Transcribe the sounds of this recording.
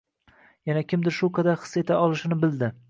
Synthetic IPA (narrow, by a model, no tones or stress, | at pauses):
janakʲʰɪmd̪ɪɾʃukʰad̪aχɨ̥sːe̞t̪ʰaɒlˠɪʃɪnɪbɪld̪ɪ